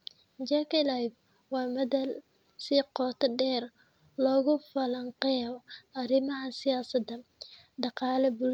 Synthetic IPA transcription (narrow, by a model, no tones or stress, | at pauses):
d͡ʒakɛlajf | wɑːmɐðɐl | siːqɔːt̪ʰɐɖɛːr | lɔːɣʊfɐlɐŋqɛjɔɐɾɪmɐɦɐsɪjaːsɐd̪ɐ | ɖɑqɑːlɛbʊl